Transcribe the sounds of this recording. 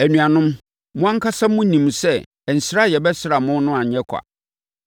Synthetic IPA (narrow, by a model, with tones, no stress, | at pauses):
æ˨nũ˨a˨nʊ̃˦m | mʊ̃˦ã˦ŋ̩˦kʰa˦sã˦mʊ̃˦nĩ˨m˨sɛ˦˨ | n̩˨sɪ˦ɾa˦˨jɛ˨bɛ˦sɪ˦ɾa˨mʊ̃˦n˦nʊ̃˦ã˨ɲ̩˨ɛ˦kʷʰa̰˨